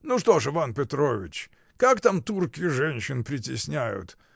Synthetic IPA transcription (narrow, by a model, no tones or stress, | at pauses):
nuʂt̪o̞ʂɨvanpʲɪt̪ɾovʲɪ̰t͡ɕ | kakt̪amt̪urkʲɪʐɛnʲɕːɪnpɾʲɪtʲɪsʲnʲæjʊ̰t̪